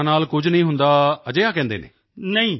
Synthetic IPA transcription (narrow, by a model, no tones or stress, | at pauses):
naːlkʊd͡ʒnəĩːɦʊnd̪aːəd͡ʒeːaːkɛ̃ːnd̪eːnḛː | nəĩː